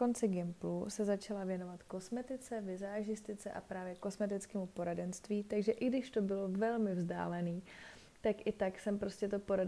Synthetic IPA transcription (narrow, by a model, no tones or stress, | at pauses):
ko̞nt͡sɪɡɛmplusɛzat͡ʃalavjɛno̞vat̪ko̞smɛt̪ɪt͡sɛvɪzaːʒɪst̪ɪt͡sɛ̰ʔa̰pɾaːvjɛko̞smɛt̪ɪt͡skɛːmupo̞ɾadɛnst̪viːt̪aɡʒɛʔɪɡdɪʃt̪o̞bɪlovɛlmɪvzda̰ːlɛniː | t̪akʔɪt̪aksɛmpɾo̞scɛt̪o̞po̞ɾa